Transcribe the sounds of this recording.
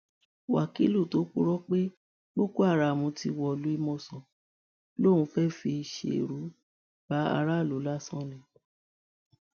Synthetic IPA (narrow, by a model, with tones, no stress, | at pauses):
wa˨ki˨˦lu˦˨to˨˦k͡pu˦ɾɔ˦k͡pe˦ | bo˦ko˦a˦˨ɾa˨mũ˨˧ti˧wɔ˦˨lu˨˦i˦˧mɔ̃˦˨sɔ̃˨ | lo˦˨wũ˧fɛ˦fi˧ʃḛ˨ɾu˨˦ | b̥a˨˦a̰˧ɾa˦˨lo˨˦la˦sɔ̃˦lɛ̃˨